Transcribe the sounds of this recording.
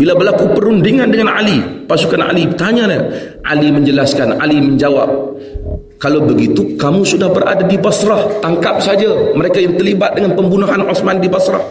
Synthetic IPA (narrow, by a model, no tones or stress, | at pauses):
bilabəlakupəɾundiŋandəŋana̰lipasukana̰lit̪aɲalah | ʔa̰liməɲd͡ʒəlaskanʔa̰liməɲd͡ʒawa̰p̚ | kalabəɡit̪ukamũsudahbəɾʔa̰dadibasɾaht̪aŋkap̚sad͡ʒaməɾekajaŋt̪ərlibat̪̚dəŋanpəmbunaɦanʔɔsmandibasɾa̰h